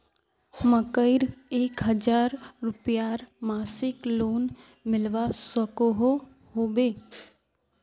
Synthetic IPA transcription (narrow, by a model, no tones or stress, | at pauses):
məkəɪɾeːkɦəd͡ʒaːɾːʊpjaːɾmaːsɪkloːn | mɪlʋasəkoɦo | ɦoːbeː